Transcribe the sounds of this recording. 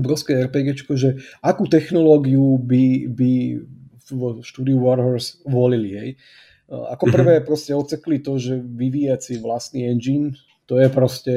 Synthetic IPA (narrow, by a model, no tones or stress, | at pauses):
ɔbɾɔʊskɛːɛɾpɛɡɛt͡ʃkɔʒɛakuːt̪ɛxnɔlɔːɡiubibi | ʃt̪uːd̪iuʋɔɾɦɔɾsʋɔliliɦɛ̰j | a̰kɔpr̩ʋɛːpɾɔscɛɔt͡sɛklit̪ɔʒɛʋiʋiːjat͡siʋlast̪niɛnd͡ʒin | t̪ɔjɛpɾɔscɛ